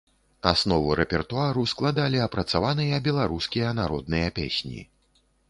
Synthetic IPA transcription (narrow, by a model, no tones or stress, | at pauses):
a̰snɔvɨɾɛpʲɛrt̪uaɾusklˠad̪alʲiɐpɾɐt̪savanɨjɐbʲɛlˠaɾuskʲijɐnaɾɔd̪̚nɨjɐpʲḛsʲnʲḭ